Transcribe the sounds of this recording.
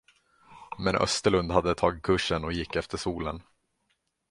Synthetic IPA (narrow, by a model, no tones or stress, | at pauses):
mɛnʔœ̰st̪əɭɵnd̪had̪ːət̪ʰɑːɡɪkʰɵʂːənɔjɪkːɛft̪əʂuːlə̰n